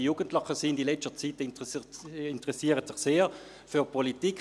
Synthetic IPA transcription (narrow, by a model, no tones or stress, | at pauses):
juːɡ̥əntləχəsind̥ilɛt͡stət͡sitɪnt | ɪntəʁɛsiːəʁətsɪχseːʁ | fyːɐpʰɔlitiːk